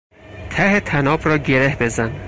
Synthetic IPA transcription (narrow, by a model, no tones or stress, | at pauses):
t̪ʰæhet̪ʰænɒːbɾɒːɟe̞ɾehbe̞zæn